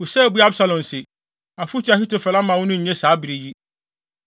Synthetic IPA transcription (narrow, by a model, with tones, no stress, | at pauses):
wo˨sɛ˦˨bu˦a˦bsa˨lɔ̃˨n˨sɪ˨ | a˨fu˦t͡ɕʰi˨˦a˨hi˦to˨fɛ˨la˦mã˨wʊ̃˦nʊ̃˦ɲ̩˨ɲɛ̃˦saː˨˦bi˨ɾi˨ji˦